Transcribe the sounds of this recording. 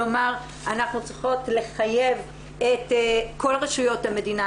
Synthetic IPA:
omaʁ | anaχnut͡sʁiχo̞tle̞χaje̞v | etko̞lʁeʃujo̞thame̞dina

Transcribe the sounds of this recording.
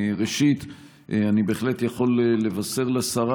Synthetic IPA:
ʁeʃit̪ | ʔanibeeːχle̞t̪jaχo̞lele̞vase̞ʁleasaʁa

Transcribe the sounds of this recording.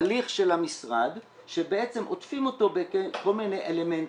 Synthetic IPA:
liχʃe̞lhamisʁad̪ | ʃe̞beet͡semʔo̞̰tfimo̞to̞beko̞lmine̞jʔele̞ment

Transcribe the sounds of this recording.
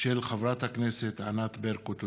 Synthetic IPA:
ʃelχavʁat̪hakneset̪anat̪beʁkot̪

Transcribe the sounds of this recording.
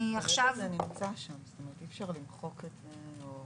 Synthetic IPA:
iaχʃavzenimit͡saʃamstomeʁetifʃaʁlimχo̞ketz̥eo

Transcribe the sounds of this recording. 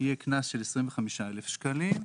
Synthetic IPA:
ijeknasʃelesʁiɱveχamiʃaelefʃkalim

